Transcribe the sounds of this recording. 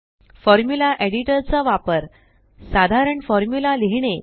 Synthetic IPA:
fɔɾmjulaʔeɽiʈəɾt͡saʋapəɾ | sad̪ʱaɾəɳfɔɾmjulaliɦɳ̃e

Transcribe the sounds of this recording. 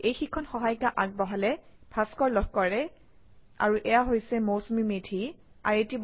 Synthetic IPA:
ejxikʰːɔnxɔɦajkaʔaɡ̚bɔɦalɛ | b̥ʰʱaskɔɹlɔɦkɔɹɛ | a̰ɹuʔɛjaɦojsɛmosmimetʰi | a̰jetib

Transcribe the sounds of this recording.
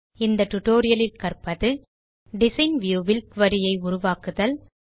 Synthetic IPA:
ɪnd̪ɐʈʊʈoːɾɪjɐlɪlkɐrpɐðɯ | ɖɪsɐɪnʋjuːʋɪlkʋɐɾɪjɐɪʊɾʊʋaːkɯðɐl

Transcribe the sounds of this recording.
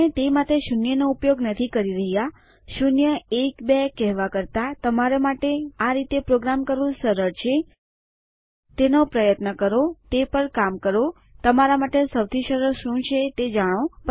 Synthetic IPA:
et̪emat̪eʃunjənoupjoɡnət̪ʰikəɾiɾəɦja | ʃunjəekbekɛɦʋakəɾt̪at̪əmaɾamaʈeaɾit̪epɾoɡɾamkəɾʋũsəɾəɾt͡ʃʰe | t̪enopɾəjət̪nəkəɾot̪epəɾkamkəɾo | t̪əmaɾamaʈesəwt̪ʰiʃəɾəɾʃũt͡ʃʰet̪ed͡ʒaɽ̃op

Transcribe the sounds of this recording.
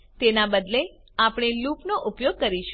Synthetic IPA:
t̪enabəd̪le | apɽ̃elupnoʔʊpjoɡ̚kəɾiʃ

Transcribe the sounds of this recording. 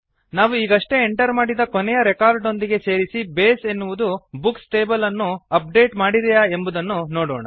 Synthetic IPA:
naːʋuiːɡɐʂʈe̞ːɳʈɐɾmaːɽid̪ɐkɔnɛjɐɾekaːɾɖo̞nd̪iɡe̞se̞ːɾisibeːsenːuʋud̪ubuksʈe̞ːbɐlɐnːuɐp̚ɖe̞ːʈmaːɽiɾɛjae̞mbud̪ɐnːunoːɽoːɳɐ̰

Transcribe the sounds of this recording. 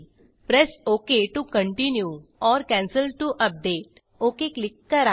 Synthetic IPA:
pɾɛsoːkeʈukə̃ɳʈɪnjuɔːɾkɛ̃ːnsəlʈuʔɐp̚ɖeːʈ | oːkeklɪkːɐɾa

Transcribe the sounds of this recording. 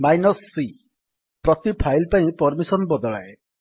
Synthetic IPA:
majnɔsːi | pɾɔt̪ipʰajlpaĩpɔɾmisɔnbɔd̪ɔɭae

